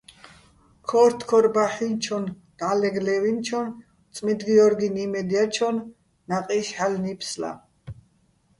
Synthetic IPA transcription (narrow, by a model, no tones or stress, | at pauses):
kʰɔɾt̪ʰkʰɔɾbaħint͡ʃʰɔn | d̪̥alɛɡlɛvint͡ʃʰɔn | t͡s̪ʼmid̪ɡiɔɾɡinimɛd̪iat͡ʃʰɔnː | aqʼiʃħalnipʰsla̰